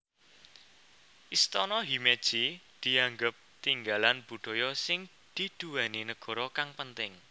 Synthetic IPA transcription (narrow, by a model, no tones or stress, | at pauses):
ʔist̪ɔnɔɦimed̥ʒ̥id̪̥i̤aŋɡəp̚t̪iŋɡalanb̥ṳɖ̪̥ɔ̤jɔsɪŋ | d̪̥id̪̥uwaninəɡ̥ɔ̤ɾɔkaŋpənt̪ɪŋ